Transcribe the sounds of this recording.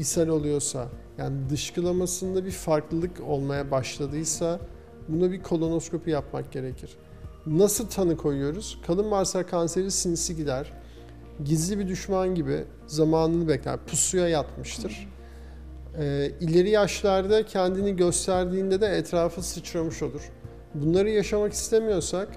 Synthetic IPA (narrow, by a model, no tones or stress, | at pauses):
isaɾolˠujo̞sajaːnid̪ɯʃkʰɯlˠamasɯnd̪abiɾfaɾklˠɯlˠɯko̞lˠmajabaʃlˠad̪ɯjsa | bunubikʰo̞lˠo̞no̞skʰo̞pʰujapmak̚ɟe̞ɾe̞cʰiɾ̥ | nasɯlˠt̪ʰanɯkʰo̞jujo̞ɾuz̥kʰalˠɯnvaɾsakʰanse̞ɾisinisiɟid̪æɾ̥ | ɟizlʲibid̪yʃmanɟibḭ | zamaːnɯnɯbɛclʲæ̰ɾpʰusujajat̪mɯʃt̪ʰɯɾ̥ | ɛːilʲe̞ɾijaʃlˠaɾd̪acʰɛnd̪iniɟø̞st̪ʰæɾd̪iːnd̪ɛd̪ɛːt̪ɾaːfɯsɯt͡ʃʰɾamɯʃo̞lˠuɾ̥ | bunlˠaɾɯjaʃamaki̥st̪ʰe̞mijo̞ɾsak